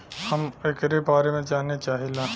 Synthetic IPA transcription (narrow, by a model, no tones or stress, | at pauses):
hɐmekɾebaːɾemẽd͡ʒaːnet͡ʃaːɦilãː